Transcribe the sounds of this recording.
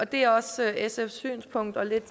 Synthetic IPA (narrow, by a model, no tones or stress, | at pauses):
ɒ̽d̥e̝æɐɒ̽søʔesefsy̰ːnspʰɔ̽ŋ̰d̥ɐle̝d̥